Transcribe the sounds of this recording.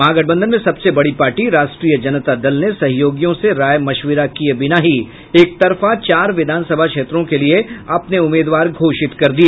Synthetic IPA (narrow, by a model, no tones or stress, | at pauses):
maːɡəɽ̚bə̃nd̪ənmẽsɐbsebɐɽipaːɾʈiɾaːʃʈɾiːjəd͡ʒɐnt̪ad̪ɐlnesɐɦjoːɡjõseɾaːjmɐʃwɪɾakiebɪnaɦi | eːk̚t̪ɐɾfat͡ʃaːɾʋɪd̪ʱaːnsɐbʱakʃeːt̪ɾõkelieɐpneʊmeːd̪ʋaːɾɡʱoːʃɪt̪kɐɾd̪ie